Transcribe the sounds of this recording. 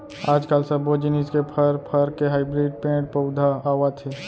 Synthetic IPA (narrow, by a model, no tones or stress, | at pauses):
aːd͡ʒkaːlsəbod͡ʒiniskepʰəɾpʰəɾkeɦaɪbɾiɖ̚pẽːʈ̚pəʊd̪ʱaawat̪ʰi